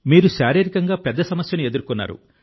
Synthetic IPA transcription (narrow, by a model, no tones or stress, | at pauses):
miːɾuʃaːɾiːɾikɐŋɡaːpɛd̪ːɐsɐmɐsjɐnue̞d̪uɾkunːa̰ːɾṵ